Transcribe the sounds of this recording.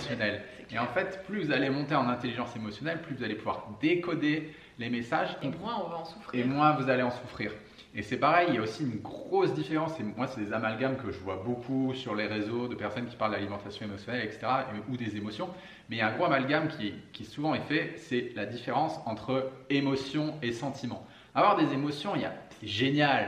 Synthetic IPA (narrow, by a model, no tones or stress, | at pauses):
sjɔnɛl | eɑ̃fɛt̪plyvuzalemɔ̃t̪eɑ̃nɛ̃t̪eliʒɑ̃semɔsjɔnɛlplyvuzalepuvwa̰ʁd̪ekɔd̪e | lemesaʒmwɛ̃ɔ̃vɑ̃su̥femwɛ̃vuzaleɑ̃sufχiːʁ | esɛpaʁɛjiljaosiynɡʁʁosd̪ifeʁɑ̃sɛmwasɛd̪ezamalɡamkəʒəvwabokʰusyʁleʁezod̪əpɛʁsɔnkʲi̥paʁld̪d̪alimɑ̃t̪asjɔ̃emɔsjɔnɛlɛkse̥t̪eʁaud̪ezemɔsjɔ̃ | mɛjaɛ̃ɡʁoamalɡamkʲʰiɛkʲiɛsuvɑ̃ɛfɛsɛlad̪ifeʁɑ̃sɑ̃t̪χəemɔsjɔ̃esɑ̃t̪ʰimɑ̃ | avwaʁd̪ezemɔsjɔ̃lja̰ | ʒenjal